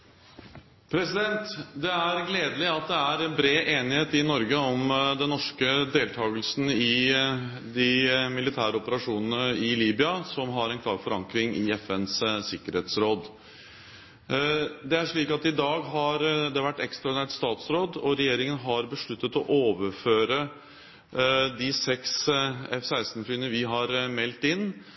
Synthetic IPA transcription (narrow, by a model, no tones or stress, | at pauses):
pʰɾɛsɪd̪ɛnt̪d̪ɛæɾɡleːd̪əlɪɑt̪̚d̪ɛæɾɛnbɾeːʔeːnɪheːt̪ɪnɔɾɡəɔmd̪ɛnnɔʂkəd̪eːlt̪ʰɑːɡəlsn̩ɪ | d̪ɪmɪlɪt̪ʰæːɾəɔpəɾɑʂuːnənəɪliːbɪɑsɔmɦɑɾɛnkʰlɑːɾfɔɾɑŋkɾɪŋɪɛfɛnssɪkːəɾheːt̪sɾoːd̪ | d̪ɛæʂɭiːkɑt̪ɪd̪ɑːɡɦɑɾd̪ɛʋæʈːɛkst̪ɾɑd̪ɪnæːʈst̪ɑːt̪sɾoːd̪ɔɾɛjeːɾɪŋənɦɑɾbəʂɭʉt̪ːət̪ɔʔoːʋəɾføːɾə | d̪ɪsɛksɛfsæɪst̪n̩fyːənəʋɪɦɑɾmɛlt̪ɪnː